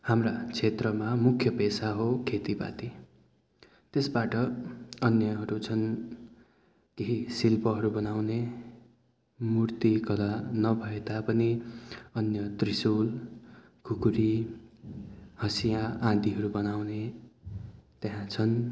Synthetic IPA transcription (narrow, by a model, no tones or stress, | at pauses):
hamrat͡sʰet̪rʌmamukʰjʌpesaɦokʰet̪iba̰t̪i | t̪esbaʈʌʌnjʌɦʌɾut͡sʰʌn | keɦisilpʌɦʌɾubʌnawne | murt̪ikʌlanʌbʱʌet̪apʌniʌnjʌt̪risul | kʰukuɾi | hʌsijaʔãd̪iɦʌɾubʌnawne | t̪eɦãt͡sʰʌn